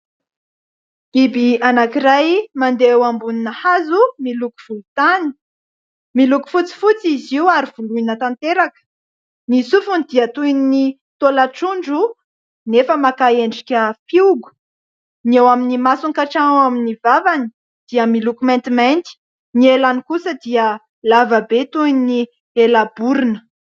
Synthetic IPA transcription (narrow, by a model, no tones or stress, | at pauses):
ibianakiɾajmand̪ewambuninəhazumiluku̥v̥ulut̪ani̥ | miluku̥fut͡si̥fut͡siziwaɾiv̥uluinət̪ant̪eɾakə̥ | nisufunid̪iət̪ujnni | t̪olaʈ͡ʂuɳɖ͡ʐu | nefəmakaeɳɖ͡ʐikʲəfiuɡu̥ | newaminimasuŋkaʈ͡ʂaaminivavani̥ | d̪̥iəmilukumɛ̃nt̪iment̪i̥ | nielanikusəd̪iə | lavabet̪unni | elabuɾinə̥